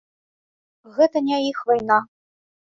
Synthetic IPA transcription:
ɣɛt̪ɐnʲɛixvajnɑ

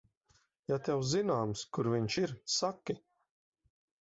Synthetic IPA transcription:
jat̪ɛwzinaːmskuɾviɲʃiɾsakʲːi

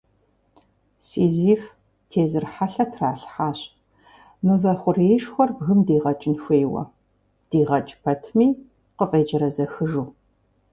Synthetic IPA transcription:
siːziːf | tʰeːzɨrħaɬɐtʰraːɬħaːɕʼ | mɨvɐχʷʊreːʂxʷɔrbɣɨmdiːʁɐt͡ʃʼɪnxʷeːwɐ̰ | d̥iːʁɐt͡ʃʼpʰɐtʰmiː | qəfʼeːd͡ʒɐɾɐzɐxɨʒuː

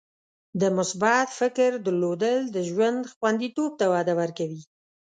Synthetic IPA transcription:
d̪əmʊsbat̪fɪkɾd̪əlod̪əld̪əʒwand̪xwand̪it̪ob̚t̪awɑd̪awəɾkawi

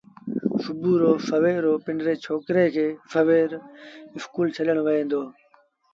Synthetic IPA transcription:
sʊbuːɾoːfəʋeːɾoːpɪɳɖɾeːt͡ʃʰoːkɾeːkʰeːfəʋeːɾɪskuːlt͡ʃʰələɽ̃ʋəɦẽːnd̪oː

